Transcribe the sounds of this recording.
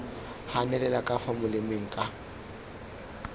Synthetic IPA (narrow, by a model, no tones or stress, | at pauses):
hanɛlɛlakʼafamʊlɪmeŋ̩kʼa